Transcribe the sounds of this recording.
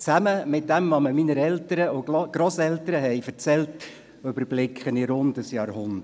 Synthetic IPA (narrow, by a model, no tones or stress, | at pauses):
t͡sæməmɪt̚d̥æmːɑməminəɾɛltəɾəʔʊɡ̥ɾosɛltəɾəɦɛɪfəɾt͡sɛlt | ʏbəɾblɪkʰχənɪɾʊndəsjɑːɾhʊndə